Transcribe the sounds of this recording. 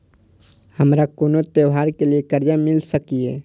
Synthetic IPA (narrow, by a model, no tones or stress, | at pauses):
həmɾakoːnot̪eɦaːɾkeliekəɾjamɪlsəkieː